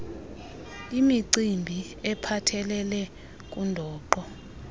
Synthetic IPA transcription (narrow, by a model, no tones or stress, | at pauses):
imiǀimbʱi | ɛpʰatʰɛlɛlɛ | k̬ʼundʱɔːǃɔ